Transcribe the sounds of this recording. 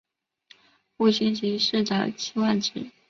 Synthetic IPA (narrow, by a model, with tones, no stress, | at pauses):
xu˥˩ɕi˥nt͡ɕi˧˥ʂɻ̩˥˩ʈ͡ʂa˨˩˦t͡ɕʰi˥wa˥˩nʈ͡ʂɻ̩˨˩˦